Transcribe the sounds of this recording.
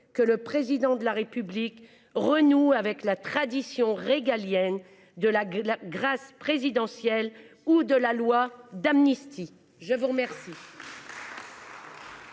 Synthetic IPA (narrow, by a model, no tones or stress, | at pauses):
kələpχezid̪ɑ̃d̪əlaʁepyblik | ʁənuavɛklat̪χad̪isjɔ̃ʁeɡaljɛn | d̪əlalaɡʁaspχezid̪ɑ̃sjɛl | ud̪əlalwad̪amnist̪ʰi | ʒəvuʁəmɛʁsi